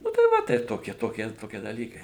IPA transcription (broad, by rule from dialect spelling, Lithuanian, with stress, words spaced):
ˈnʊ tɐɪ ˈʋɐ tɐɪp ˈtoːkʲiɛ ˈtoːkʲiɛ ˈtoːkʲiɛ dɐˈlʲiːkɐɪ